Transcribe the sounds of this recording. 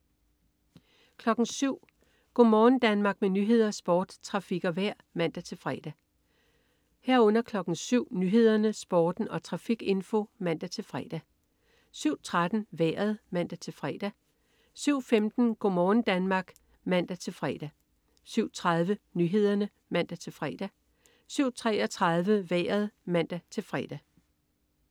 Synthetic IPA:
kʰlɒ̽ɡ̥n̩syʊ̰ | ɡ̥ɔɒ̰mɒːn̩d̥ænmɑ̈ːɡ̥̚menyɦe̝ð̞̰ˠɐsb̥ɒːd̥t͡sʰʁɑ̈fiɡ̥ɐʋæɐ̰mæn̰d̥æt͡sʰe̝lfʁɛ̰d̥æ | hæɐ̰ɔ̽n̰ɐkʰlɒ̽ɡ̥n̩syʊ̰nyːɦe̝ð̞̰ˠɐnəsb̥ɒːd̥n̩ɒ̽t͡sʰʁɑ̈fiɡ̥e̝nfo̝mæn̰d̥æt͡sʰe̝lfʁɛːd̥æ | syʊ̰t͡sʰʁad̥n̩ʋɛ̰ːɐð̞̩ˠmæn̰d̥æt͡sʰe̝lfʁɛ̰ːd̥æ | syʊ̰femd̥n̩ɡ̥ɔmɒːn̩d̥ænmɑ̈ːɡ̥ | mæn̰d̥æt͡sʰe̝lfʁɛ̰d̥æ | syʊ̰t͡sʰʁað̞ˠʋənyɦe̝ð̞̰ˠɐnə | mæn̰d̥æt͡sʰe̝lfʁɛːd̥æ | syʊ̰t͡sʰʁɛɒ̽t͡sʰʁɑðˠʋəʋɛ̰ːɐð̞̩ˠmæn̰d̥æt͡sʰe̝lfʁɛ̰d̥æ

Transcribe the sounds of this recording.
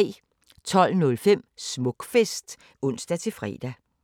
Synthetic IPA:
t͡sʰɒ̽l̰nɔ̽lfem̰smɔ̽ɡ̥fesd̥ | ɔ̽n̰sd̥æt͡sʰe̝fʁɛ̰ːd̥æ

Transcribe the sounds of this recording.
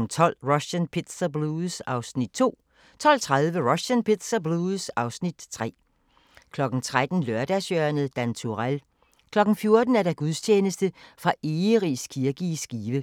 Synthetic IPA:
n̩t͡sʰɒ̽l̰ʁɔɕænpʰe̝d̥sɐbluðˠsɑ̈ʊsnid̥̚t͡sʰo̝̰ː | t͡sʰɒ̽l̰t͡sʰʁaðˠʋəʁɔɕænpʰe̝d̥sɐbluːðsɑ̈ʊsnid̥t͡sʰʁɛ̰ː | kʰlɒ̽ɡ̥n̩t͡sʰʁad̥n̩lɶɐd̥æsøːɐnəd̥ænt͡sʰuʁæl | kʰlɒ̽ɡ̥n̩fjo̝ɐd̥n̩æɐdɑ̈ɡ̥uðˠst͡ɕʰeːnəsd̥əfʁɑ̈ʔeːʁiskʰiɐɡ̥isɡ̥iːʋə

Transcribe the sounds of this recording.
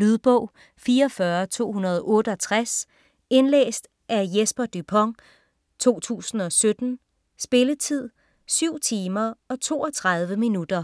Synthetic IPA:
lyðˠb̥ɔʊ̰ | fiːɐɒfɶːɐt͡sʰo̝̰ːhunɐð̞ˠɒʔɔ̽ːɾ̥əɒ̽t͡sʰʁas | e̝nlḛːsd̥ | ʔæjesb̥ɐd̥ypʰɒŋ | t͡sʰo̝̰ːt͡sʰṵːsn̩ɒ̽sød̥n̩ | sb̥e̝lət͡sʰið̞̰ˠ | syʊ̰t͡sʰiːmɐɒ̽t͡sʰo̝̰ːɒt͡sʰʁɑ̈ð̞ˠʋəminud̥ɐ

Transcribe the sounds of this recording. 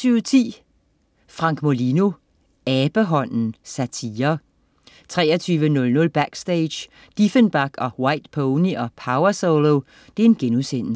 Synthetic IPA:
yːʊt͡sʰḭː | fʁɑ̈ŋ̰ɡ̥molino̝ | ɛːb̥əɦɒ̽n̰n̩sæt͡sʰiːɐ | t͡sʰʁɛ̰ːɐt͡sʰyːʋənɔ̽lnɔ̽lb̥æɡ̥sd̥eɪ̥j | d̥ifənb̥æɡ̥ɒ̽wɑ̈ɪd̥pʰoʊniʔɒ̽pʰɑ̈ʊɐsoʊlo | d̥e̝e̝nɡ̥enusen̰

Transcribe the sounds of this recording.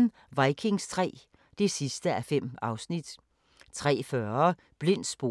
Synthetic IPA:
n̩ | ʋɑ̈ɪkʰe̝ŋst͡sʰʁɛ̰ː | d̥e̝sisd̥əæfem̰ɑ̈ʊsnid̥ | t͡sʰʁɛ̰ːfɶɐ | b̥le̝n̰̥sb̥o̝

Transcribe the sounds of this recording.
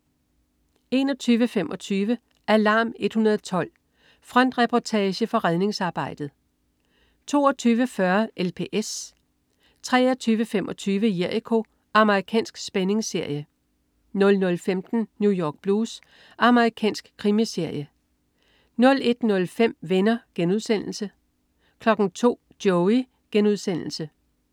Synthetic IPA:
e̝ːnɒ̽t͡sʰyːʋəfem̰ʔɒ̽t͡sʰyːʋə | ʔælɑ̈ːme̝d̥hunɐð̩ˠt͡sʰɒ̽l̰ | fʁɒn̰d̥ʁɛpʰɒt͡sʰɛːɕəfɒ̽ʁɛð̞ˠne̝ŋsɑ̈ːb̥ɑ̈ɪ̰d̥ð̞̩ˠ | t͡sʰo̝̰ːɒt͡sʰyːʋəfɶɐelpʰe̝ʔes | t͡sʰʁɛ̰ːɐt͡sʰyːʋəfem̰ʔɒ̽t͡sʰyːʋəjeɐikʰo̝ | ɑ̈məʁikʰɛ̰ːnsɡ̥sb̥ene̝ŋse̝ɐ̰jə | nɔ̽lnɔ̽lfemd̥n̩njujɒːɡ̥̚b̥luːs | ɑ̈məʁikʰɛ̰ːnsɡ̥kʰʁimise̝ɐ̰jə | nɔ̽le̝d̥nɔ̽lfem̰ʋenɐɡ̥enuð̞ˠsen̰l̩sə | kʰlɒ̽ɡ̥n̩t͡sʰo̝̰ːd̥jɔʊi | ɡ̥enuðˠsen̰l̩sə

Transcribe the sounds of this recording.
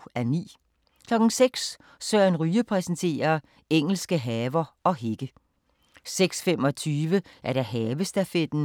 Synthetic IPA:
æɐnḭː | kʰlɒ̽ɡ̥n̩seɡ̥s | sɶɐnʁyːəpʰʁɛsnt͡sʰe̝̰ːɐ | eŋ̰l̩sɡ̥əɦɛːʋɐɒ̽ɦe̝ɡ̥ə | seɡ̥sfem̰ɒ̽t͡sʰyːʋəʔæɐɾ̥æɦɛːʋəsd̥æfed̥n̩

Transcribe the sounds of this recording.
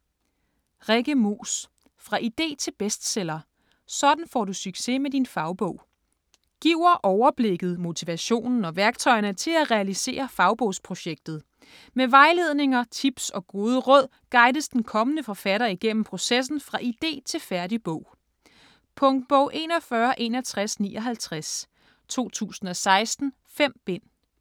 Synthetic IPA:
ʁeɡ̥əmo̰ːs | fʁɑ̈ʔid̥e̝̰ːt͡sʰe̝lb̥esd̥selɐ | sɒ̽d̥n̩fɒ̰ːdusyɡ̥se̝med̥infɑ̈ʊb̥ɔ̽ʊ̰ | ɡ̥iʊ̰ɐʔɒʊɐb̥le̝ɡ̥ð̞̩ˠmo̝t͡sʰiʋæɕo̝̰ːnn̩ɒ̽ʋæɐɡ̥t͡sʰɒ̽ɪɐnət͡sʰe̝læʁɛælise̝̰ːɐfɑ̈ʊb̥ɔ̽ʊ̰spʰʁo̝ɕeɡ̥̚d̥ð̩ˠ | meʋɑ̈ɪle̝ð̞ˠne̝ŋɐt͡sʰib̥sɒ̽ɡ̥o̝ːð̞ˠəʁɔ̽ð̞̰ˠ | ɡ̥ɑ̈ɪd̥əsd̥enkʰɒ̽mənəfɒ̽fæɾ̥ɐiɡ̥en̰m̩pʰʁo̝ses̬n̩fʁɑ̈ʔid̥e̝̰ːt͡sʰe̝lfæɐɾib̥ɔʊ̰ | pʰɔ̽ŋd̥̚b̥ɔʊ̰ʔe̝̰ːnɒ̽fɶːɐʔe̝nhælt͡sʰʁasnḭːɒ̽ɦælt͡sʰʁas | t͡sʰo̝̰ːt͡sʰṵːsn̩ɒ̽sɑ̈ɪsd̥n̩ | fem̰b̥e̝n̰

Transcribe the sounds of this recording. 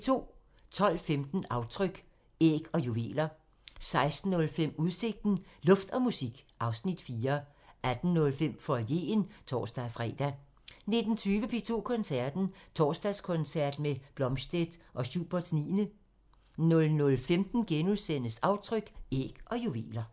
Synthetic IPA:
t͡sʰo̝̰ː | t͡sʰɒ̽l̰femd̥n̩ɑ̈ʊt͡sʰʁœɡ̥ | ḛɡ̥ɒ̽juʋe̝̰ːlɐ | sɑ̈ɪsd̥n̩ːɔ̽lfem̰uð̞ˠse̝ɡ̥̚d̥n̩lɔ̽fd̥ɒ̽musiɡ̥ʔɑ̈ʊsnid̥fiːɐ | æd̥n̩ːɔ̽lfem̰fɒje̝̰ːnt͡sʰɒ̰ːsd̥æfʁɛ̰ːd̥æ | ne̝d̥n̩t͡sʰyːʋəpʰe̝ːt͡sʰo̝̰ːkʰɒ̽nsæɐd̥n̩t͡sʰɒ̰ːsd̥æskʰɔ̽nsæɐ̰d̥meb̥lɒ̽mɕd̥ed̥ʔɒ̽ɕuːb̥ɐd̥snḭːnə | nɔ̽lnɔ̽lfemd̥n̩ɡ̥enusen̰əsɑ̈ʊt͡sʰʁœɡ̥ḛːɡ̥ɒ̽juʋe̝̰ːlɐ

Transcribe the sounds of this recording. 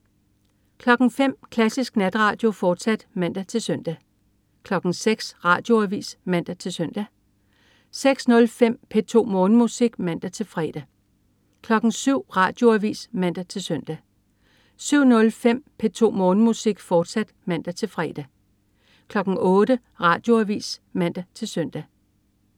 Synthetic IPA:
kʰlɒ̽ɡ̥ŋ̩fem̰kʰlæsisɡ̥næd̥ʁɑ̈ːd̥jo̝fɒːd̥sæd̥mæn̰d̥æt͡sʰe̝lsœn̰d̥æ | kʰlɒ̽ɡ̥ŋ̩seɡ̥sʁɑ̈ːd̥jo̝æʋḭːsmæn̰d̥æt͡sʰe̝lsœn̰d̥æ | seɡ̥snɔ̽lfem̰pʰe̝t͡sʰo̝̰ːmɔ̽ːnəmusiɡ̥mæn̰d̥æt͡sʰe̝lfʁɛ̰ːd̥æ | kʰlɒ̽ɡ̥ŋ̩syʊ̰ʁɑ̰̈ːd̥jo̝æʋḭːsmæn̰d̥æt͡sʰe̝lsœn̰d̥æ | syʊ̰nɔ̽lfem̰pʰet͡sʰo̝̰ːmɔːnmusiɡ̥fɒːd̥sæd̥mæn̰d̥æt͡sʰe̝lfʁɛ̰ːd̥æ | kʰlɒ̽ɡ̥ŋ̩ʔɔ̽ːɾə | ʁɑ̈ːd̥jo̝æʋḭːsmæn̰d̥æt͡sʰe̝lsœn̰d̥æ

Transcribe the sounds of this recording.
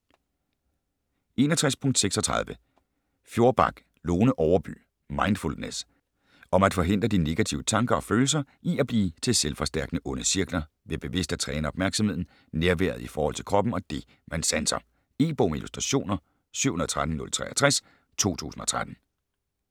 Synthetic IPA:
ʔe̝nɒt͡sʰʁaspʰɔ̽ŋ̰d̥seɡ̥sɒ̽t͡sʰʁɑ̰ð̞ˠʋə | fjo̝ɐb̥ɑ̈ɡ̥ | loːnəʔɒʊɐb̥y̰ː | mɑ̈ɪnd̥fuld̥nes | ʔɒ̽mæd̥fɒ̽ɦe̝n̰d̥ʁɐd̥ine̝ɡ̥æt͡sʰiʊət͡sʰɑ̈ŋɡ̥ɐɒ̽føːl̩s̬ɐʔiæb̥liːt͡sʰe̝lselfɒ̽sd̥æɐɡ̥nəʔɔ̽nəsiɐɡ̥lɐ | ʋe̝b̥e̝ʋe̝sd̥æt͡sʰʁɛːnəɒb̥mæɐɡ̥sɒmhe̝ð̞̰ˠn̩ | neɐʋæ̰ɐð̞̩ˠifɒːhɒ̽l̰t͡sʰe̝lkʰʁɒ̽b̥m̩ɒ̽d̥e̝ | mænsænsɒ̰m | e̝̰ːb̥omelʔusd̥ʁɑɕo̝̰ːnɐ | sy̰ʊ̰hunɐðˠt͡sʰʁad̥n̩nɔ̽lt͡sʰʁɛ̰ʔɐt͡sʰʁas | t͡sʰo̝̰ːt͡sʰṵːsn̩ɒ̽t͡sʰʁad̥n̩

